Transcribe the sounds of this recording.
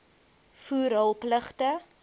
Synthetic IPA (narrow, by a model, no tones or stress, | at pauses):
fuːɾəlˠpləχtə